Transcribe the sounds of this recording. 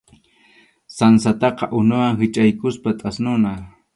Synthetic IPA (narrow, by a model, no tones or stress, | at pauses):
sansat̪ɑqɑʔʊnʊwaŋhɪt͡ʃajkʊspat̪ʼasnʊna